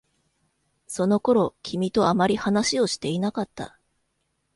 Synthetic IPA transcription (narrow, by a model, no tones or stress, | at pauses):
so̞no̞ko̞ɾo̞kʲʰimʲit̪o̞amaɾʲihanaɕio̞ɕi̥t̪e̞inakat̪ːa̰